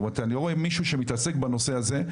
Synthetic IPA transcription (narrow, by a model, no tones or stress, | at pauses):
at̪anilooemiʃuʃemit̪ase̞kbano̞se̞aze̞